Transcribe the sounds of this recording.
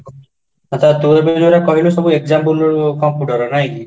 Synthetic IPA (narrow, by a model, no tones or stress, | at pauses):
ɔt̪at̪uɾbed͡ʒoɾakɔɦilusɔbuek̚d͡ʒampulkɔmpjuʈɔɾɔnajki